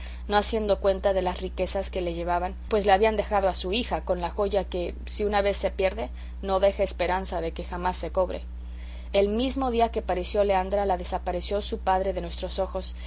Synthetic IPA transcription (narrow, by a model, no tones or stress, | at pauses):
no̞asje̞nd̪o̞kwe̞nt̪aðe̞lasrike̞saske̞le̞ʝe̞βaβanpwe̞zleaβiand̪e̞xað̞o̞asuixako̞nlaxo̞ʝake̞ | siunaβe̞sːe̞pje̞ɾðe̞ | no̞ðe̞xeːspe̞ɾansaðe̞ke̞xamasːe̞ko̞βɾe̞̰ | e̞lmizmo̞ðiake̞paɾesjo̞le̞and̪ɾalaðe̞sapaɾe̞sjo̞supaðɾe̞ðe̞nwe̞st̪ɾo̞so̞xo̞s